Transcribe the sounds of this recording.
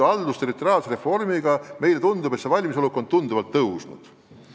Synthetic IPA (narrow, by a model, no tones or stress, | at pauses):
ɑld̪ust̪e̞ɾit̪ːˑo̞rijɑːlse̞ɾe̞fo̞rmiɡɑme̞jle̞t̪und̪ub̥esevɑlʲmis̬eoukːˑo̞nd̪̚t̪und̪uvɑlt̪ːɤwsnṵd̪̥